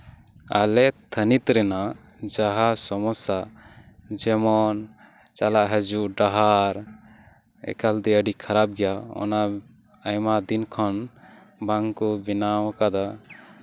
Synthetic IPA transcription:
a̰lɛt̪ʰənit̪ɾɛna | d͡ʒaɦasɔmɔsa | d͡ʒɛmɔn | t͡ʃalaʔɦəd͡ʒuʔɖaɦaɾ | ɛ̰kald̪ɛəɖikʰaɾab̚ɡɛjaɔ̰na | ajmad̪inkʰɔn | baŋkɔbinawkad̪a

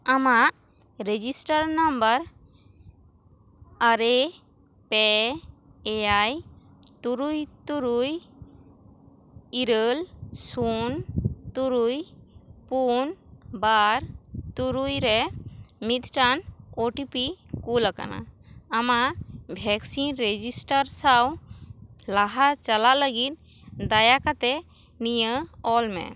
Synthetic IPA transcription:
ama | ɾed͡ʒisʈaɾnambaɾ | aɾe | pe | eaj | t̪uɾujt̪uɾuj | iɾəlsunt̪uɾujpunbaɾt̪uɾujɾɛmit̪ʈanoʈipikulaka̰na̰ːmabʱɛksinɾed͡ʒisʈaɾsaw | laɦat͡ʃalaləɡit̪̚ | d̪ajakat̪ɛ | nijəɔlmɛ̰

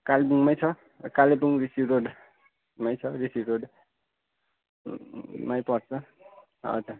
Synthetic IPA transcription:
kalbuŋmajt͡sʰʌ | kalebuŋrisiɾoɽ | majt͡sʰʌɾisiɾoɽ | majpʌrt͡sʰʌ | ʌ̰d͡za

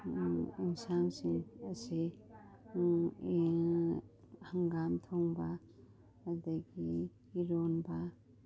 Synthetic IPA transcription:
insansiŋɐse | haŋɡamtʰoŋba | adaɡi | iɾonba

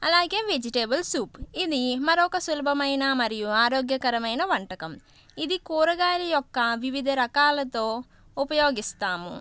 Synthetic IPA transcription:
ɐlaːɡe̞ːʋed͡ʒiʈeːbɐlsuːpid̪imɐɾɔkɐsulɐbʱɐmɐjnɐmɐɾijuaːɾoːɡjɐkɐɾɐmɐjnɐʋɐɳʈɐkɐm | id̪ikuːɾɐɡaːɾijɔkːɐʋiʋid̪ʱɐɾɐkaːlɐt̪o̞ː | upɐjo̞ːɡist̪aːmṵ

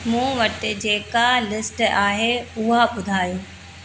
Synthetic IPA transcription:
mũːʋɐʈɪd͡ʑeːkalɪsʈaːɦeʊɦaɓʊd̪ʱaːjoː

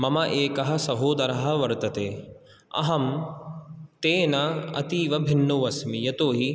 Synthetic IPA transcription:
mɐmɐʔeːkɐɦɐ̆sɐɦoːd̪ɐɾɐɦɐ̆ʋɐɾt̪ɐt̪eː | ɐ̰ɦɐm | t̪eːnɐɐ̰t̪iːʋɐbʱinːuʋɐsmijɐt̪oːɦi

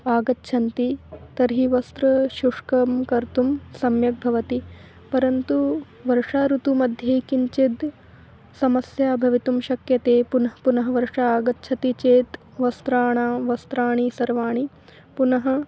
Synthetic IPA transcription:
aːɡɐtːʃʰɐnt̪it̪ɐɾɦiʋɐst̪ɾɐʃuʂkɐmkɐɾt̪umsɐmjɐk̚bʱɐʋɐt̪i | pɐɾɐnt̪u | ʋɐɾʂaːɾut̪umɐd̪ʱjeːkiɲt͡ʃid̪ | sɐmɐsjaːbʱɐʋit̪umʃɐkjɐt̪eːpunɐɦɐpunɐɦɐ̆ʋɐɾʂaaːɡɐtːʃʰɐt̪it͡ʃeːt̪ | ʋɐst̪ɾaːɳaːʋɐst̪ɾaːɳisɐɾʋaːɳi | punɐɦɐ̆

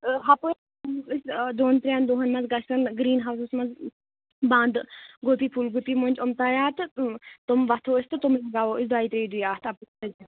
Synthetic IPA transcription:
ɦɐpo | isd̪oːnt̪ɾʲjaːnd̪oːɦɐnmɐzɡɐst̪ɐnɡɾiːnɦaːwsusmɐz | bãːnd̪ɡot̪iːpʰulɡut̪imonʲd͡ʒomt̪ajaːt̪ɨt̪omʋɐt̪ʰoːist̪ɨt̪umlɐɡaːʋoːisd̪waːiːt̪ɾeːd̪ujaːt̪ʰɐpsɐd͡ʒ

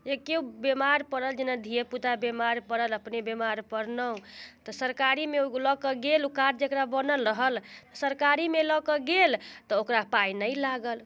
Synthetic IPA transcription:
ekeubemaɾpəɾəld͡ʒenad̪ʱijeput̪abemaɾpəɾələpnebemaɾpəɾnəũt̪ɔsəɾkaɾimeolɔkəɡelukaɾd͡ʒekɾabənəlɾəɦəlt̪ɔsəɾkaɾimelɔkəɡelt̪ɔokɾapajnəjlaɡəl

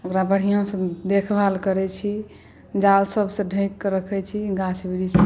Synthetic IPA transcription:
okɾabəɽ̤ijãsə̃d̪ekʰbʱalkəɾɛt͡ʃʰi | d͡ʒalsəbsə̃ɖʱə̃jkːɾəkʰɛt͡ʃʰiɡat͡ʃʰbiɽit͡ʃʰi

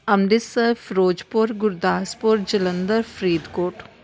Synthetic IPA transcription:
ɐmd̪ɪsəfɾoːd͡ʒpoɾɡʊɾd̪aːspoɾd͡ʒɐlənd̪əɾfʰɾiːd̪koːʈ

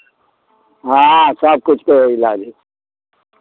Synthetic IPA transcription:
ɦãsʌb̚kʊt͡ʃʰkeɪlaːd͡ʒi

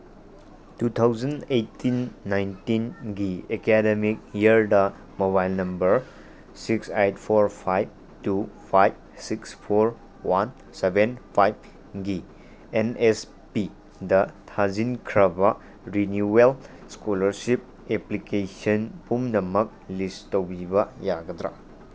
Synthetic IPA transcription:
tutʰawzɐnetːinːajntinɡiekedemik̚iəɾdɐ | moβajlnɐmbɐɾ | siksejt̚pʰoɾpʰajb̚ | tupʰajb̚sikspʰoɾ | wan | sebenpʰajb̚ | ɡi | enes | pi | dɐtʰazinkʰɾɐbɐ | ɾinjuel | skolɐɾsip̚ | eplikesɐnpumnɐmɐk̚listowbibɐjaɡɐtɾa̰

